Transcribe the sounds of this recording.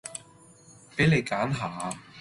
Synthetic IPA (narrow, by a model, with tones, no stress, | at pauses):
pe˨˥jne˨˧jkaː˨˥nɦaː˨